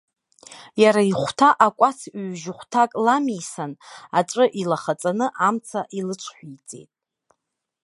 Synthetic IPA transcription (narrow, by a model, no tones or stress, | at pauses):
jaɾaiχʷtʰaʔakʷʼat͡sʰɥʒɪχʷtʰakʼlamisanaʈ͡ʂʼɨʔilaχat͡sʼanɨʔamt͡sʰaʔilɨt͡ʃʷʰħʷᶣijt͡sʼe̞̰jtʼ